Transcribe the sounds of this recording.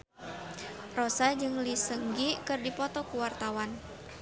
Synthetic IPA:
rosad͡ʒɨŋlisəŋɡikɨrdipɔt̪ɔkuwart̪awan

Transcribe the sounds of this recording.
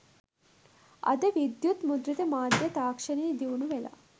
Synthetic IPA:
ɐ̰d̪eʋid̪jut̪mud̪ɾit̪ɐmaːd̪ʱjɐt̪aːkʂɐnid̪iʋunuʋɛlɐ̰

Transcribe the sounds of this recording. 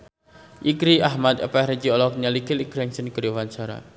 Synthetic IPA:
ʔikɾiʔahmat̪ə̰pɛhɾed͡ʒiɔlɔk̚ɲalikɪlikɾaŋsənkəɾowaɲt͡ʃaɾa̰

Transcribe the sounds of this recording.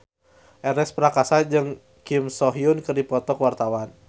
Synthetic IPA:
ʔɛɾɛspɾakasad͡ʒɨŋ | kimsɔɦiunkɨrdipɔt̪ɔkwart̪awan

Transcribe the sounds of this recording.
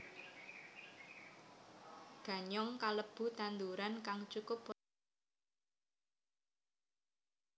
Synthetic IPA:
ɡ̥ä̤ɲɔŋkaləb̥ṳt̪and̪uɾankaŋt͡ʃukʊp

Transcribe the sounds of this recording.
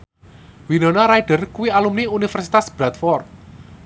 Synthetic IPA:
winonaɾajɖ̥ə̤rkuwialumniunifərsit̪asb̥ɾat̪fɔrt̪̚

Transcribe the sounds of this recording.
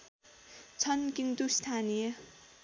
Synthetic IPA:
t͡sʰʌnkint̪ust̪ʰanijʌ

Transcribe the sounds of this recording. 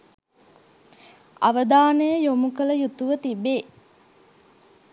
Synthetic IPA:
a̰ʋəd̪aːnəjəjomukələjut̪uʋət̪ibe

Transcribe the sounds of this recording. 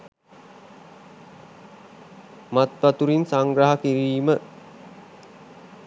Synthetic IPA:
mat̪ʋat̪uɾinsaŋɡɾaɦakiɾiːmə

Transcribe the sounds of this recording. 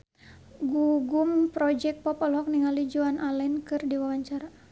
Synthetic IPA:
ɡuɡumpɾɔd͡ʒɛk̚pɔpɔlɔk̚niŋalid͡ʒuanʔalɛnkɨrdiwawaɲt͡ʃaɾa

